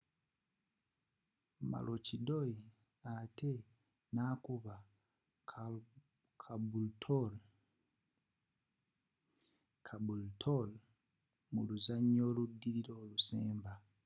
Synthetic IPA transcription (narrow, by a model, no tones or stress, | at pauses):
ma̰lʔocidoi | ate | nakuβa | kʰabultʰol | kʰabultʰol | muluzaɲoludiɾiɾoːluseːmba